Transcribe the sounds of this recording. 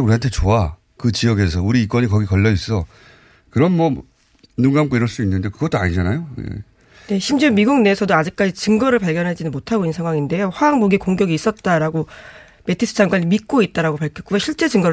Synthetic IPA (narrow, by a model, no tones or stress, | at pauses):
uɾiɦantʰe̞t͡ɕoa | kɯt͡ɕijʌɡe̞s̬ʰʌuɾiːk͈wʌɲikʌɡikʌʎːʌis͈ʌ | kɯɾʌnmʌ | nuŋɡamɡoiɾʌɭs͈uinːɯnde̞kɯɡʌt͈oaɲid͡ʑanajojḛ | ne̞ɕʰimd͡ʑimiɡuŋne̞sʰʌdoad͡ʑik̚k͈ad͡ʑit͡ɕɯŋɡʌɾɯɭpaɭɡjʌnɦad͡ʑinɯnmotʰaɡoinːnsʰeŋɦwaŋinde̞joɸwaaŋboɡiekoŋɡjʌɡiːs͈ʌt̚t͈aɾaɡo | me̞tʰis͈ʰɯd͡ʑaŋɡwaɲimit̚k͈oit̚t͈aɾaɡopaɭkʰʌk͈ujoɕʰiɭt͡ɕ͈e̞d͡ʑɯŋɡʌɾ